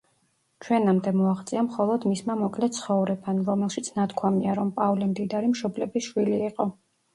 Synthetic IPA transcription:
t͡ʃʰwɛnamd̪ɛmɔaχt̪sʼiamχɔlˠɔd̪mismamɔkʼlɛt̪̚sʰχɔvɾɛbanɾɔmɛlˠʃit̪sʰnat̪kʰwamiaɾɔmpʼavlimd̪id̪aɾimʃɔblɛbiʃwiliːqʼɔ

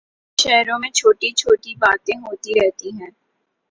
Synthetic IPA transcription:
ʃɛɦɾõmẽt͡ʃʰoːʈit͡ʃʰoːʈibaːt̪ẽɦoːt̪iɾɛɦt̪iɦɛ̃ː

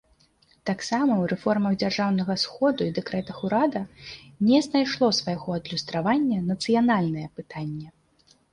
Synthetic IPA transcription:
t̪aksamɐwɾɛfɔrmɐɣd͡zʲarʐawnɐɣɐsxɔd̪uid̪ɛkɾɛt̪ɐxuɾad̪ɐnʲɛznajʂlˠɔsvajaɣɔɐd̪lʲust̪ɾavanʲːɐnɐt̪sɨjanalʲnɐjɛpɨt̪anʲːɛ

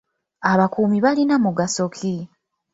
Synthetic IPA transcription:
aβakuːmiβalinamuɡaso̞kʰi

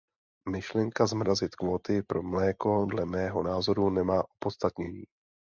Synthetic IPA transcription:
mɪʃlɛŋkazmɾazɪt̪kvo̞ːt̪ɪpɾo̞mlɛːko̞dlɛmɛːɦo̞naːzo̞ɾunɛmaːʔupot̪st̪at̪ɲɛɲiː

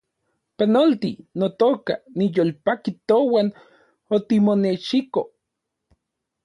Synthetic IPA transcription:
panolt̪inot̪oːka̰nijolpakit̪owan | ot̪imoneʃiko

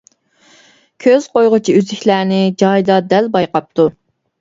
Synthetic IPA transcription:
kʲʰøz̥qojʁʊt͡ʃʰiyzɪkʲlæːnɪd͡ʒɑjd̪ɑd̪ɛlbɑjqɑp̚t̪ʰu

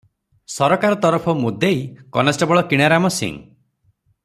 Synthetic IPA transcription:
sɔɾɔkaɾɔt̪ɔɾɔpʰɔmud̪ʱejkɔnasʈɔbɔɭɔkiɽ̃aɾamɔsḭ̃ŋ

